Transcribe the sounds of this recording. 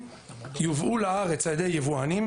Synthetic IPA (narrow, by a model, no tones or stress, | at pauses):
juvʔulaaʁet͡sajed̪ejjevuanim